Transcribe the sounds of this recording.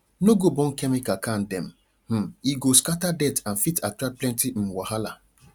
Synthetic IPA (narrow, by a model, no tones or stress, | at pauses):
noɡobɔ̃n̩kɛmikakan̩dɛm̩ | m̩iɡoskatadɛtan̩fitatɾaplɛ̃ntim̩waɦala